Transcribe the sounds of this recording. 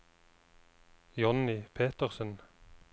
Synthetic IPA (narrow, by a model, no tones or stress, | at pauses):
jɔnɪpʰeːt̪əʁsən